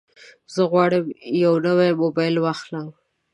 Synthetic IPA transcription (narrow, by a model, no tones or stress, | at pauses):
zəɣwɑɽəmjawnəwamobɑjlwaxlam